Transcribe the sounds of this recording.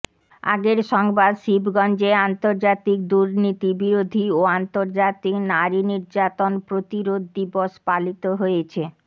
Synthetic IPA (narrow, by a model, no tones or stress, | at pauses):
a̰ɡeɾʃɔŋbad̪ʃibɡɔnd͡ʑeant̪oɾd͡ʑat̪ik̚d̪uɾnit̪ibiɾod̪ʱioant̪oɾd͡ʑat̪iknaɾiniɾd͡ʑat̪onpɾot̪iɾod̪ːiboʃpalit̪oɦojet͡ɕʰe